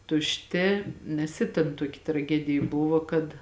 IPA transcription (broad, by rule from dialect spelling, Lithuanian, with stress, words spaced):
tʊʃʲˈtʲɪ nʲɛs ˈɪ tʲeːn ˈtuɔkʲɪ trɐˈɡʲæːdʲɪjeː ˈbʊʋoː kɐt